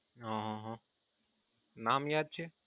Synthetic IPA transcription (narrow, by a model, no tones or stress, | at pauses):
ɦãɦãɦã | naːmjaːd̪̚t͡ʃʰe